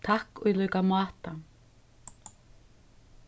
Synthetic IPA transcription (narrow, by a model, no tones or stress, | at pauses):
t̪ʰahkɔjlœːɥkamaːt̪a